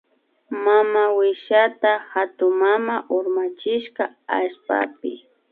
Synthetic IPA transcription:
mamawɪʃat̪ahat̪ʊmamaʔʊɾmat͡ʃɪʃkaaʃpa̰pɪ

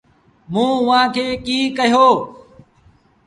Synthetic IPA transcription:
mũːʊʋ̤ãːkʰeːkiːkəɦjoː

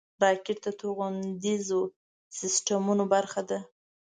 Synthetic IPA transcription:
ɾɑkeʈt̪at̪oɣand̪izo | sɪsʈamunobaɾxad̪a

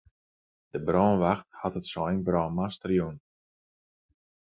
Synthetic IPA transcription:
d̥əbrɔːnʋaxthatətsoɛnbrɔːnmastərjun

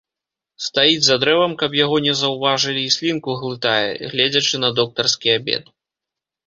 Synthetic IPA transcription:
st̪ajid͡zʲzad̪ɾɛvɐmkɐpjaɣɔnʲɛzɐwvaʐɨlʲiːsʲlʲinkuɣlˠɨt̪ajɛ̰ɣlʲɛd͡zʲɐt͡ʂɨnɐd̪ɔk̚t̪ɐrskʲiabʲɛ̰t̪̚

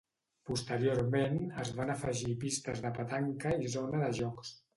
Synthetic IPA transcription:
pust̪əɾioɾmenəzβanəfəʒipist̪əzðəpət̪aŋkəizonəðəʒɔks

